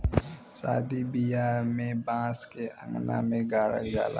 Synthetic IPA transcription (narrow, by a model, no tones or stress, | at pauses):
sa̰ːd̪ibijamẽbãːskeʔə̃ŋɡna̰mẽɡaːɽə̰kd͡ʒa̰ːla̰